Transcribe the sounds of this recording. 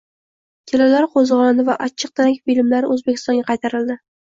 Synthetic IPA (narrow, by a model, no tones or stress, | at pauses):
kʲʰelalaɾqʰozʁɒnanɪvaʔat͡ʃʰːɨq̚d̪aɾakʲfilɪmlaɾɪʔɵzbekʲʰɪ̥st̪ɒnɡʲaqʰɑjt̪ʰaɾɪld̪ɪ